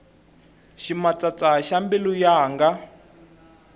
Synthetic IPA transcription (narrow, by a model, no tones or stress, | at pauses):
ʃimat͡sat͡sʼaʃambɛlujaːŋɡa